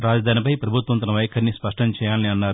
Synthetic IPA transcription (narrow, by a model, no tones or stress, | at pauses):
ɾaːd͡ʒɐd̪ʱaːnipɐjpɾɐbʱut̪ʋɐnt̪̬ɐnɐʋɐjkʰɐɾnispɐʂʈɐɲt͡ʃɛːjaːlniɐnːaːɾu